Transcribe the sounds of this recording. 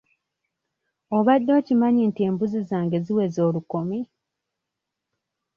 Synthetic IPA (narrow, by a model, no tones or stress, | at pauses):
o̞βadːo̞ːcimaɲiːntie̞ːmbuzizaːŋɡe̞ziwe̞zoːlukomi